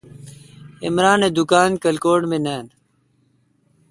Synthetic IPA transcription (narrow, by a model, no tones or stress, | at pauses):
ɪ̰mɾaːneːd̪ʊkaːnkəlkoːɽmẽːneːn